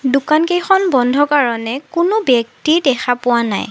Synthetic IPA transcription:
dʊkankejxʰɔnbɔndʱɔkaɹɔnɛkʊnʊbjɛk̚tiɹdɛxapʊwana̰j

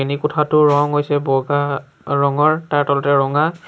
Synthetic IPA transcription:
enikʊtʰatʊɹɔŋɦojsɛbɔɡa | ɹɔŋɔɹtaɹtɔlɔtɛɹɔŋa

